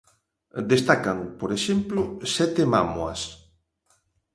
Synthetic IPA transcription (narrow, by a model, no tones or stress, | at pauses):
d̪est̪akaŋpoɾeʃemplʊsɛt̪ema̰mwɐ̰s